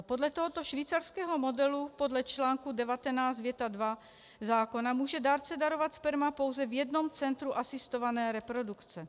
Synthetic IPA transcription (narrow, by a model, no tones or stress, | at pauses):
po̞dlɛt̪o̞ɦo̞t̪o̞ʃviːt͡saɾskɛːɦo̞mo̞dɛlupo̞dlɛt͡ʃlaːŋkudɛvat̪ɛnaːsd̪vjɛt̪adva | zaːko̞namuːʒɛdaːɾt͡sɛdaɾo̞vat̪spɛɾmapo̞wzɛvjɛdno̞mt͡sɛnt̪ɾuʔasɪst̪o̞vanɛːɾɛpɾo̞dukt͡sɛ